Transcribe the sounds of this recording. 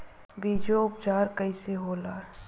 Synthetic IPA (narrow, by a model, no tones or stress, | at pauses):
biːd͡ʒoʊp̚t͡ʃaːɾkəiseɦoːlaː